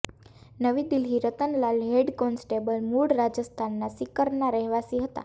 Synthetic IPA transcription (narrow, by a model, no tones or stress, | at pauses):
nəʋid̪ilɦiɾət̪ənlalɦeɽkɔnsʈebəlmuɽɾad͡ʒəst̪ʰanːasikəɾnaɾəɦʋasiɦət̪a̰